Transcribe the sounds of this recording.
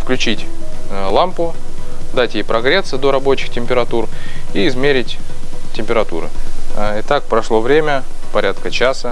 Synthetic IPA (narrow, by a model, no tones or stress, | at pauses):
fklʲʉt͡ɕitʲlˠampʊd̪atʲjejpɾɐɡɾʲet̪sːɨd̪o̞ɾɐbo̞t͡ɕɪxtʲɪmʲpʲɪɾɐt̪uriːzmʲeɾʲɪtʲtʲːɪmʲpʲɪɾɐt̪ṵɾɨ̰ɪt̪ak̚pɾɐʂlˠo̞vɾʲemʲəpɐɾʲat̪kət͡ɕasə